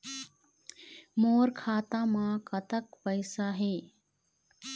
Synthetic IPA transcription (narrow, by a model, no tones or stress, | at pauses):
moːɾkʰaːt̪ãːmãkɐt̪əkpəɪsaɦeː